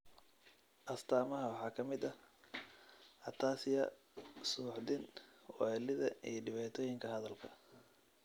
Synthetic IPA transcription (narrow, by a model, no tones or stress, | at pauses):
ʔɐst̪ʰaːmɐɦɐwɑħɑːkʰɐmɪd̪ɐ | ʔɐt̪ʰaːsɪjɐ | suːʕd̪ɪnwɔɛlɪðɐiɖɪβaːt̪ʰɔːjɪŋkʰɐɦɐðɐlkʰɐ̥